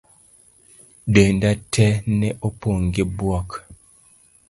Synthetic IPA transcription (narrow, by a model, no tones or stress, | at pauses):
dendatʰɛnɛʔopoŋɡibwɔk